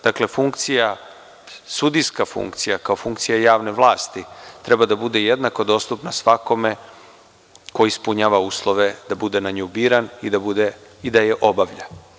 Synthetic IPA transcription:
d̪̥akle̞fuŋkt̪sija | sud̪iskafṵŋkt̪sijakao̞fuŋkt̪sijajaːʋne̞ʋlˠaːst̪it̪ɾe̞bad̪abud̪e̞jed̪nako̞d̪o̞st̪upnasʋako̞me | ko̞ispuɲaːʋauːslˠo̞ʋe̞d̪̥abud̪e̞naɲobiːɾanid̪abud̪eid̪ajeʔo̞baʋʎa

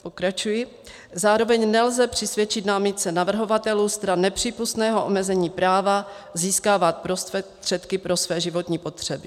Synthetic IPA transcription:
po̞kɾat͡ʃujɪ | zaːɾo̞vɛɲnɛlzɛpr̝̥ɪsvʲjɛt͡ʃɪt̪namɪt͡sɛnavr̩ɦo̞vat̪ɛlust̪ɾanːɛpr̝̥iːpust̪nɛːɦo̞ʔomɛzɛɲiːpɾaːva | ziːskaːvat̪̚pɾost̪ɛt̪r̥ɛt̪kɪpɾo̞svɛːʒɪvo̞t̪ɲiːpo̞t̪r̝̥ɛbɪ

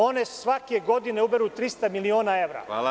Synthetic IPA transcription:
o̞nesʋakeɡo̞d̪ine̞ubeɾut̪ɾist̪amilio̞ːnae̞ʋɾa̰

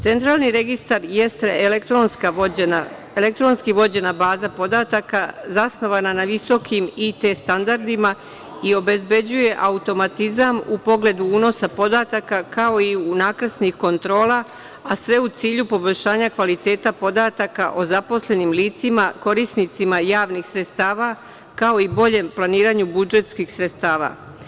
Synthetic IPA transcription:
t̪se̞nt̪ɾaːlˠniɾe̞ɡist̪aɾjest̪eeekt̪ɾonskaa | elek̚t̪ɾo̞nskiʋo̞d͡ʑe̞nabaːzapo̞d̪at̪akazasno̞ʋananaʋiso̞kimit̪est̪and̪aɾd̪ima | io̞be̞zbe̞d͡ʑuje̞ʔaut̪o̞mat̪izamupo̞ɡle̞d̪uuːno̞sapo̞d̪at̪akakao̞iunaːkɾəsnixko̞nt̪ɾo̞ːla | asʋe̞ut̪siːʎupo̞bo̞ʎʲʃaːɲakʋalit̪e̞ːt̪apo̞d̪at̪akaʔo̞zapo̞sle̞nimliːt̪simako̞ɾisnit̪simajaːʋnixsɾe̞t̪st̪aːʋa | kao̞ibo̞ʎe̞mplˠaniːɾaɲubud͡ʒe̞t̪skixsɾe̞t̪st̪aːʋa̰

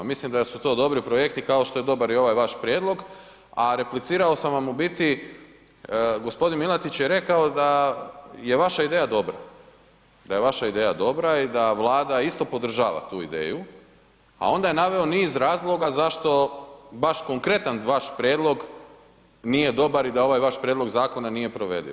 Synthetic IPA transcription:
mislimd̪asut̪o̞ːd̪o̞bɾipɾoje̞kt̪ikao̞ʃt̪o̞je̞d̪o̞baɾio̞ʋajʋaʃpɾjed̪lo̞ɡ | aɾe̞plit̪siːɾaosamʋamubit̪i | ɡo̞spo̞d̪inmilˠat̪it͡ɕjeɾe̞kaod̪a | je̞ʋaʃaid̪e̞ːjad̪o̞bɾa̰ | d̪aje̞ʋaʃaid̪e̞jad̪o̞bɾaid̪aʋlˠaːd̪aist̪o̞po̞d̪r̩ʒa̰ːʋa̰t̪uːḭd̪ḛːju | a̰o̞nd̪aje̞naʋe̞o̞niːzɾaːzlˠo̞ɡazaʃt̪o̞baʃko̞ŋkɾe̞t̪anʋaʃpɾjeːd̪lˠo̞ɡ | nije̞d̪o̞baɾid̪ao̞ʋajʋaʃpɾʲjed̪lo̞ɡzaːko̞nanijepɾo̞ʋe̞̰d̪ḭ

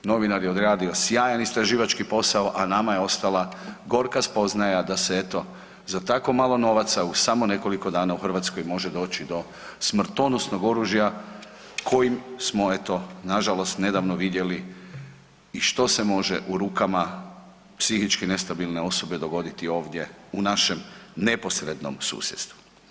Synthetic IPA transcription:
no̞ʋinaɾjeo̞d̪ɾaːd̪io̞sjaːjanist̪ɾaʒiːʋat͡ʃkipo̞saoʔanamajeo̞st̪alaɡo̞ɾkaspo̞znajad̪aseet̪o̞ | zat̪ako̞malˠo̞no̞ʋat̪sausamo̞ne̞ko̞likod̪aːnauxrʋat̪sko̞jmo̞ʒed̪o̞ːt͡ʃid̪o̞ | smr̩t̪o̞nosno̞ɡo̞ɾuʒja | kʰo̞jimsmo̞e̞t̪o̞naʒalo̞st̪ne̞d̪aʋnoʋid̪je̞li | iʃt̪o̞se̞mo̞ʒeʔuɾuːkama | psixit͡ʃkine̞st̪abilˠneo̞so̞be̞d̪o̞ɡo̞d̪it̪io̞ːʋd̪je̞unaʃe̞mne̞po̞sɾed̪no̞̰msṵːsjet̪st̪ʋu̥

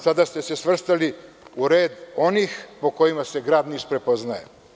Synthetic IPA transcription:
sad̪ast̪ese̞sʋr̩st̪ali | uɾe̞ːd̪o̞nixpo̞ko̞jimase̞ɡɾaːd̪niʃpɾe̞po̞znajḛ

